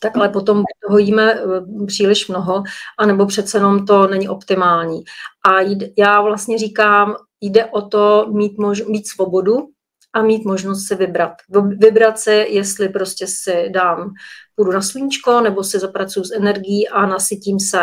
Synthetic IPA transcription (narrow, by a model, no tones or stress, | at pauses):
t̪akʔalɛpot̪o̞mbuc̚t̪oɦojiːmɛpr̝̥iːlɪʃmno̞ɦoʔanɛbopr̝̥ɛt̪t͡sɛjɛnomt̪̬o̞nɛɲɪʔo̞pt̪ɪmaːlɲiːʔajjaːvlast̪ɲɛriːkaːm | jdɛʔot̪o̞miːt̪moʒmiːt̪svo̞bo̞du | ʔamiːt̪mo̞ʒnos̬t̪sɪvɪbɾat̪vɪbɾat̪sɪjɛst̪lɪpɾo̞scɛsɪdaːmpudunasliɲit͡ʃko̞nɛbo̞sɪzapɾat͡sujusɛnɛɾɡɪjiːʔanasɪciːmsɛ